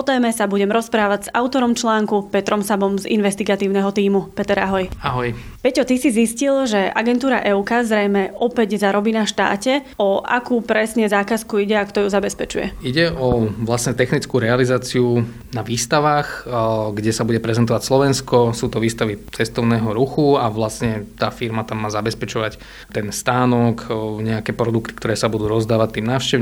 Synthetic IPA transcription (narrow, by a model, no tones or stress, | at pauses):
ɔt̪ɛːmɛsabuɟɛmɾɔspɾaːʋaɟz̥aʊt̪ɔɾɔmt͡ʃlaːŋkupɛt̪ɾɔmsabɔmzḭnʋɛst̪iɡat̪iːʊnɛɦɔt̪iːmupɛt̪ɛɾaɦɔjaɦɔj | pɛcɔt̪isiziscilʒɛʔa̰ɡɛnt̪uːɾa̰ʔɛukazɾɛjmɛʔɔpɛɟzaɾɔbiːnaʃt̪a̰ːcɛ | ɔa̰kuːpɾɛsɲɛzaːkaskuiɟɛakt̪ɔjuzabɛspɛt͡ʃṵjɛ̰iɟɛʔɔʋlasɲɛt̪ɛxnit͡skuːɾɛalizaːt͡siu | naʋiːst̪aʋaːxɡɟɛsabuɟɛpɾɛzɛnt̪ɔʋacslɔʋɛnskɔsuːt̪ɔʋiːst̪aʋit͡sɛst̪ɔʊnɛːɦɔɾuxuaʋlast̪ɲɛt̪aːfiɾmat̪amːaːzabɛspɛt͡ʃɔʋac | t̪ɛnst̪aːnɔkɲɛakɛːpɾɔd̪ukt̪i̥kt̪ɔɾɛːsabud̪uːɾɔzd̪aːʋac̚t̪iːmnaːʊʃcɛʋ